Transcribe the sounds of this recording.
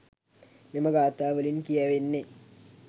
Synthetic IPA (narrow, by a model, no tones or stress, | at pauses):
nimɐɡaːt̪ːaːʋɐlinkijaʋenːe